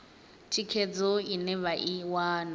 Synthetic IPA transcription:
t͡ʃʰikʰed͡zɔinɛβaʔiwan

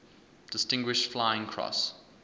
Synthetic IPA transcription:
d̥ɪstɪ̃ŋɡwɪʃtflaɪɪ̃ŋkʰɹ̥ɔ̰s

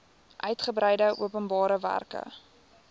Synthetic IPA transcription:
ʔœɥtχəbɾɛjdəʔṵəpənbɑːɾəvæ̰rkə̰

